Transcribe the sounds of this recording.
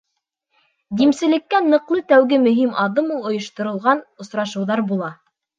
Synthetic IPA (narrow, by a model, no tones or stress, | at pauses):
d̪imsɘ̆lɘ̆kːænɤ̆qlˠɤt̪æwɡɘmɵ̆ɦimɑðɤmulˠŏjŏʃt̪ŏɾɤ̆lˠʁɑnŏsɾɑʃɤ̆wðɑɾbulˠɑ